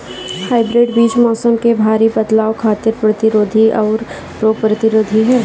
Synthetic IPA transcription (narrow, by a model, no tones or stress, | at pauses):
haːɪbɾeːɖbiːt͡ʃmɔːsəmkebʱaːɾibɐd̪laːokʰaːt̪ɪɾpɾɐt̪ɪɾoːd̪ʱiʔɔːɾ | pɾopɾɐt̪ɪɾoːd̪ʱiɦɛː